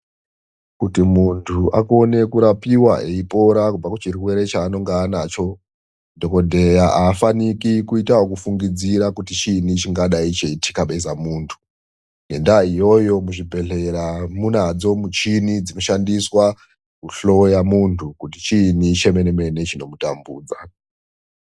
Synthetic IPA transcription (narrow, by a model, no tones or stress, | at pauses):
kutimuntʰuʔako̞ne̞kuɾapiwaʔeipo̞ɾakub͡vakut͡ʃiriwe̞ɾe̞t͡ʃaːno̞ŋɡaːnat͡ʃo̞ | do̞ko̞dʱejaʔaːfanikikuitaɦokufuŋɡid͡ziɾakutit͡ʃinit͡ʃiŋɡaɗait͡ʃeitʰi̥kaɓe̞zamuːntʰu̥ | nendaijo̞jo̞muʐibʱe̞ɮe̞ɾamunad͡zo̞mut͡ʃinid͡zino̞ʃandiswa | kuɬo̞jamuntʰukutit͡ʃinit͡ʃe̞me̞neme̞ne̞t͡ʃino̞mutambuːd͡za